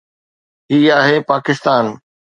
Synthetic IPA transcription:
ɦiːaːɦeːpaːkɪst̪aːn

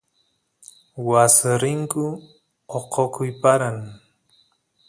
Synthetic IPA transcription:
wasɪɾɪŋkʊ | oqokʊjpaɾaŋ

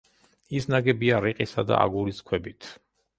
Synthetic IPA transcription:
isnaɡɛbiaɾiqʼisad̪a̰ʔa̰ɡuɾiskʰwɛbit̪ʰ

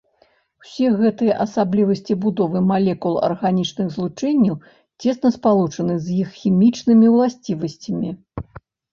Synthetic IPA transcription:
wsʲɛɣɛt̪ɨjɐʔɐsablʲivɐsʲt͡sʲibud̪ɔvɨmalʲɛkulˠɐ̰rɣanʲit͡ʂnɨɣzlˠut͡ʂɛnʲːɐw | t͡sʲɛsnɐspalˠut͡ʂɐnɨzjixxʲimʲit͡ʂnɨmʲiwlˠasʲt͡sʲivɐsʲt͡sʲɐmʲi

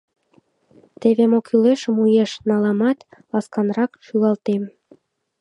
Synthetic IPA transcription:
t̪eβemokʰyleʃəmujeʃnɑlɑmɑt̪lɑskɑnrɑkʃyɣɑlt̪em

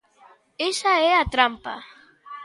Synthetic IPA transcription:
esaeat̪ɾampa̰

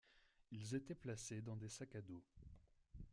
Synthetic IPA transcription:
ilzet̪ɛplased̪ɑ̃d̪esakad̪o

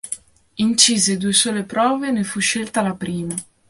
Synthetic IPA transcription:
int͡ʃiːzed̪uːesoːlepɾɔːvenefuʃːelt̪alapɾiːma

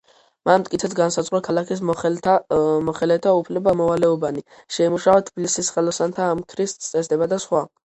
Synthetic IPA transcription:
manmt̪ʼkʼit̪sʰɛt̪sɡansad̪zʁwɾɔkʰalakʰis̬ | mɔχɛlɛt̪ʰaupʰlɛbamɔvalɛɔbani | ʃɛimuʃaɔt̪ʰb̥ilisisχɛlɔsant̪ʰaːmkʰɾist̪t̪sʼɛsd̪ɛbad̪asχwa

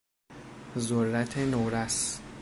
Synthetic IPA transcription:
zorːæt̪ʰenoɾæs

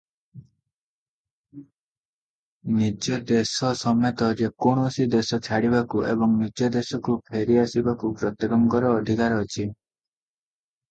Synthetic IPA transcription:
nid͡ʒɔd̪esɔsɔmt̪ɔd͡ʒekoɽ̃ɔsid̪esɔt͡ʃʰaɽibakuʔḛbɔŋnid͡ʒɔd̪esɔkupʰeɾiasibakupɾɔt̪ɔɡɔmɔkɔɾɔːd̪ʱikaɾɔːt͡ʃʰi

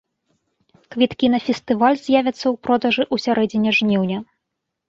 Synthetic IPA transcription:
kvʲit̪kʲinɐfʲɛst̪ɨvalʲzʲjavʲɐt̪sːɐwpɾɔd̪ɐʐɨʔusʲaɾʔɛd͡zʲinʲɛʐnʲiwnʲɐ

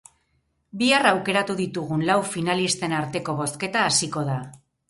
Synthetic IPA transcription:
biarawke̞ɾat̪uðit̪uɣ̞unlawfinalist̪e̞naɾt̪e̞ko̞β̞o̞ske̞t̪aːsiko̞ð̞a

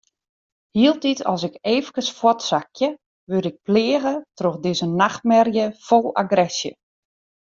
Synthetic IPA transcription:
hiəlˠtitʰɔ̰sɪkeːvəkəsfwɔtsakʰjə | ʋøɾɪk̚plɪəɣətroxdɪzənaxt̚mɛrjəfolˠa̰ɡrɛsjə̰

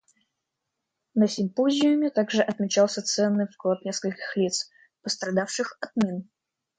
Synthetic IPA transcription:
nəsʲɪmpozʲɪʊmʲɪt̪aɡʐɨʔɐt̪mʲɪt͡ɕalˠsʲət̪sɛnːɨjfklˠat̪nʲeskəlʲkʲɪ̥xlʲit̪s | pəst̪ɾɐd̪afʂɨxɐt̪̚mʲin

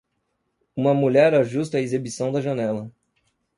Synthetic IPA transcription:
ũmɐmuʎɛɾɐʒust̪ɐezebisɐ̃w̃d̪ɐʒɐnɛlɐ

